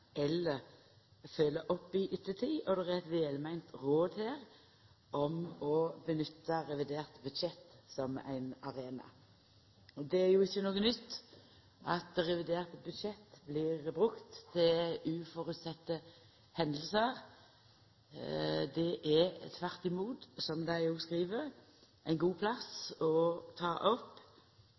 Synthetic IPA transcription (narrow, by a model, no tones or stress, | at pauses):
ʔɛlːəʁ | fœːlːəʔɔpːɪʔʏt̪ːət̪ʰiːʔɔd̪ɛæʁɛt̪ʋeːlmæɪnt̪ʁoːd̪heːʁ | ʔɔmɔbənʏt̪ːəɾɛʋɪd̪eːʁt̪bʉd̪ʃɛt̪ːsɔmæ̰ɪnɑʁeːnɑ̰ | ɔd̪ɛæɾjʊɪçːənoːɡənʏt̪ː | ʔɑt̪ʁɛʋɪd̪eːʁt̪bʉd̪ʃɛt̪ːbliːʁbʁʉkt̪ʰːɪʉːfɔʁʉt̪sɛt̪ːə | hɛnd̪l̩səʁ | d̪ɛʔæt̪ʰʋæʁt̪ɪmuːt̪sɔmd̪æɪjʊːskʁiːʋəʁ | ʔæɪnɡuːpʰlɑsɔt̪ʰɑːʔɔpː